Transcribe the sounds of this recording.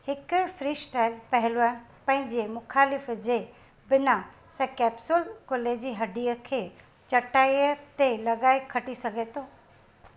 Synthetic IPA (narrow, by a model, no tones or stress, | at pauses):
hɪkfɾiːsʈaːɪlpɐɦɪloaːɦɪnɪpɐ̃ɦɪ̃ɲd͡ʑemʊxʰaːlɪfd͡ʑeː | bɪna | sɛ̃kɛːpsʊlkoːleːd͡ʑiːɦɐɖʱiəkʰeː | t͡ɕɐʈaːiət̪elɐɠaːekʰɐʈisɐɡʱet̪ʰoː